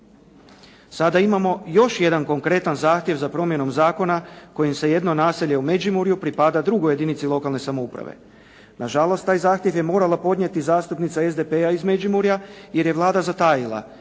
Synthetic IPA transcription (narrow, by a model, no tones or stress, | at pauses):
sad̪aimamo̞jo̞ʃje̞d̪anko̞ŋkɾe̞t̪anzaːxt̪je̞ʋzapɾo̞mje̞no̞mzaːko̞nako̞jimse̞je̞d̪no̞naːseʎe̞ume̞d͡ʒimuɾjupɾipad̪ad̪ɾuɡoje̞d̪init̪silˠo̞kalˠne̞samoupɾa̰ʋḛ | naʒalˠo̞st̪aːjzaːxt̪je̞ʋje̞mo̞ːɾalapo̞d̪ɲe̞t̪izaːst̪upnit̪sae̞zd̪e̞peaizme̞d͡ʒimuɾjaje̞ɾje̞ʋlˠaːd̪azat̪ajilˠa̰